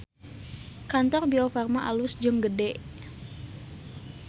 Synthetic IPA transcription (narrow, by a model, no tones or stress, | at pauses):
kant̪ɔrbiofarmaʔalusd͡ʒəŋɡədɛʔ